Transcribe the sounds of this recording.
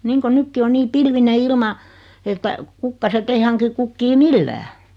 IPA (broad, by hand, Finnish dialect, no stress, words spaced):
niːŋko nykːi o niː pilʋine ilmɑ etːæ kukːɑsetː ei hɑŋki kukːiː milːæː